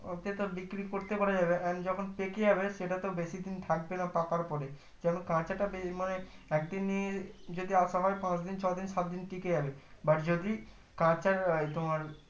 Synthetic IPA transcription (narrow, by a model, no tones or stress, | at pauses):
ot̪et̪obikɾikoɾt̪epaɾad͡ʑabeʔand͡ʑɔkʰonpekejaβeʃeʈat̪obeʃid̪int̪ʰak̚benapakaɾpɔɾe | d͡ʑɛnokãt͡ɕaʈabemaneɛkd̪inːijed͡ʑod̪iaʃaɦɔepãt͡ɕd̪int͡ɕʰɔd̪inʃat̪̚d̪inʈiked͡ʑabebaʈd͡ʑod̪i | kãt͡ɕaɾjt̪omaɾ